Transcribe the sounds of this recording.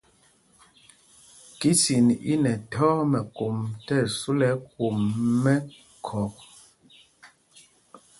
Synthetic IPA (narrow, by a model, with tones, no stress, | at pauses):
ki˦si˨nḭ˦nɛ˨tʰɔ˦mɛ˨ku˨mtɛ˦˨su˦lɛ˦ku˨mːɛ˦ | kʰɔ˨k